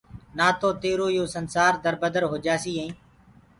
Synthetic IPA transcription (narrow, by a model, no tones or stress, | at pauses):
naːt̪oːt̪eːɾoːjoːsənsaːɾd̪əɾbəd̪əɾɦoːd͡ʒaːsiːɦẽĩː